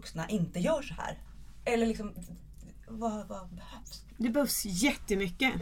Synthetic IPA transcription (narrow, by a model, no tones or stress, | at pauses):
ksna̰ʔɪnt̪əjœːʂɔhæ̰ːɾ | ɛlːəɭɪksɔm | vavabɛhœvs | d̪ɛbœːfsjɛt̪ːəmʏkːə